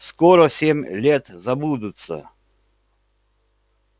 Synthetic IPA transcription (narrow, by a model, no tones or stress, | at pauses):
skɔɾɔsʲemʲlʲɛt̪zɐbud̪ʊt̪sə̰